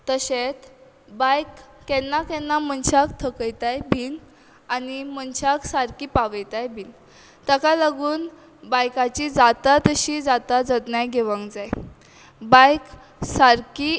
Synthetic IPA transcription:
t̪əɕet͡s | bajkːɛnːakɛnːam̤ənɕakt̪ʰəkəjt̪ajbʱiːn | animənt͡ɕaksaɾkiːpaʋəjt̪ajbʱiːn | t̪əkaləɡuːn | bajkat͡ɕid͡zat̪at̪əɕid͡zat̪ad͡zət̪najɡeʋə̃ŋkd͡zaj | bajk | saɾki

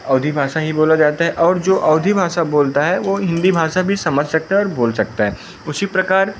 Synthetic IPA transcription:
ɐʊd̪ʱibʱaːʃaɦiboːlad͡ʒaːt̪aɦɛʔɔːɾd͡ʒoːʔɐʊd̪ʱibʱaːʃaboːlt̪aɦɛʋoɦɪ̃nd̪ibʱaːʃabʱisɐməd͡ʒʱsɐk̚t̪aɦɛɔːɾboːlsɐk̚t̪aɦɛː | ʊsipɾɐkaːɾ

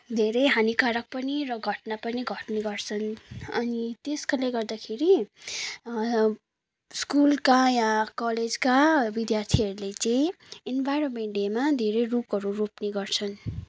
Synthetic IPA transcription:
d̪ʱeɾʌjɦanikaɾʌk̚pʌniɾʌɡʱʌʈnapʌniɡʱʌʈneɡʌrt͡sʰʌnʌnit̪eskaleɡʌrd̪akʰeɾi | skulkajãkʌled͡zkabid̪jart̪ʰiʌɾulet͡sʌ̃ĩ | enbʱajɾomeɳʈjemad̪ʱeɾʌjrupʌɾuropneɡʌrt͡sʰʌn

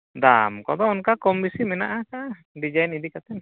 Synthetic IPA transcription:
d̪amkɔd̪ɔɔnkakɔmisimɛnaʔakaʔ | did͡ʒainidikat̪ɛn

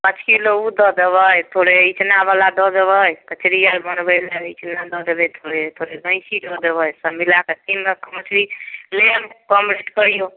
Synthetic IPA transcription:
pət͡ʃʰkiloud̪ɔd̪eβəjt̪ʰoɽeit͡ʃnaβalad̪ɔd̪eβəjkət͡ʃɾijaɾbənbəleit͡ʃnad̪ɔd̪ebejt̪ʰoɽet̪ʰoɽeɡə̃ɪ̃sid̪ɔd̪ebəjsəmbʱilaket̪inɾəkmət͡ʃɾilemkɔmɾeʈkəɾijo

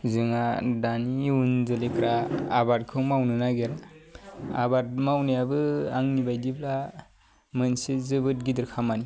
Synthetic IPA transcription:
zɯŋadaniunzɯlekɾaːbaɾ̚kʰɯwmawnɯnaɡeɾa | a̰bat̚mawnijabɯaŋnibajdibla | mɯnsizɯbɯt̚ɡidɯɾkʰamani

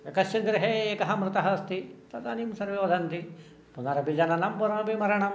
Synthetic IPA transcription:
ɐkɐst͡ʃɐnd̪ɾɐɦeːeːkɐɦɐmɾɨt̪ɐɦɐst̪it̪ɐt̪aːnimsɐɾʋeːʋɐd̪ʱɐnt̪i | punaːɾɐbʱid͡ʒɐnɐnɐmpuɾɐmɐbʱimɐɾɐɳɐm

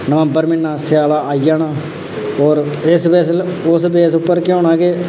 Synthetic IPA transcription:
nəʋə̃mbəɾmɪnːaːsjaːlaːaːijaːnaː | ɔːɾɪsbɛːslʊsbeːsʊpːəɾkɪõːɳãːɡeː

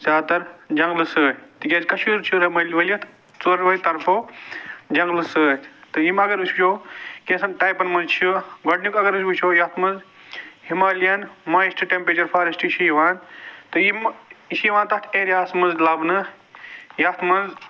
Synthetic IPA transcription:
saːt̪ɐɾd͡ʒɐŋɡlɨsɨːt̪ɨɡʲɐːzkɐʃuːɾt͡ʃʰiɾɐmɐlʋɐliɐt̪ | t͡soɾʋɐit̪ɐɾfʰoːd͡ʒɐŋɡlɨsɨt̪ɨjimɐɡɐɾust͡ʃʰoːkẽːsɐnʈaːjpɐnmɐnzt͡ʃʰiɡɐʈnukɐɡɐɾɨsbut͡ʃʰoːjɐːt̪ʰmɐnz | himaːljɐnmaːjisʈʰɨʈempɾeːt͡ʃɐɾfʰaːɾɐsʈʃiːʋaːnt̪ɨjimʃiːʋaːnt̪ɐt̪ʰeːɾjaːsmɐnzlɐbnɨ | jat̪ʰmɐnz

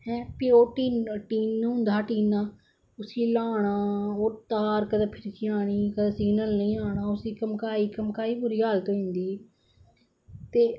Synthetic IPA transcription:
hɛ̃ːpiːoːʈiːnʈiːnːʊ̃nd̪aːʈiːnaː | ʊsĩːlaːɽ̃aːoːt̪aːɾkəd̪aːpʰɪɾkiaːɽ̃iːkəd̪aːsɪɡnəlnəĩːaːɽ̃aːʊsiːkəmkaːiːkəmkaːiːbʊɾiːɦaːlt̪oːĩːnd̪iː | t̪eː

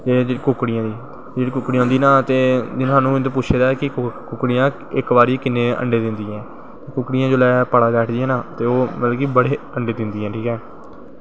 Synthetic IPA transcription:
eːd͡ʒeːkʊkɽɪjãːd̪iː | d͡ʒeːɽiːkʊkːɽijãːɦʊ̃nd̪iːnãːt̪eːd͡ʒɪnaːnũːɪnt̪õːp̬ʊt͡ʃːʃʰeːd̪aːɛːkɪkʊkɽɪjãː | ɪkbaːɾiːkɪneːə̰ɳɖeːd̪ɪnd̪iːɛ̃ː | t̪eːkʊkːɽɪjãːd͡ʒoːlɛːpəɽaːbɛːʈʰd̪iːãːnaːt̪eːoːmət̪ləkiːbəɽeː | əɳɖeːd̪ɪnd̪iːɛ̃ːʈʰiːkɛː

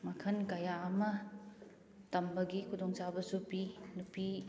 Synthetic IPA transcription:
mɐkʰɐnkajaɐmɐ | tɐmbɐɡikʰudɔŋt͡ʃabɐsupinupi

